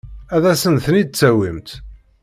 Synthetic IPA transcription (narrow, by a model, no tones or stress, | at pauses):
æðæsənθənid̪̚t͡sːæwimt̪